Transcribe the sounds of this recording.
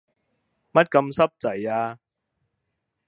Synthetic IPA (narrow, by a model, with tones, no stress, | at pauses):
mɐ˥t̚kɐ˧msɐ˥p̚t͡sɐ˨˩jaː˧